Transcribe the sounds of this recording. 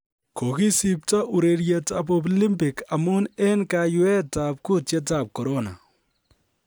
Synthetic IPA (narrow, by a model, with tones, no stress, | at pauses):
ko˨ki˦si˦p̚ta˦ʔu˨ɾe˨ɾjɛ˨ta˨p̬ɔ˦p̬li˦mpɪ˨ka˨mʊ˦ne˦nka˨jwɛ˦ta˨p̚ku˦tjɛ˦ta˨p̚kɔ˨ɾo˦na̰˨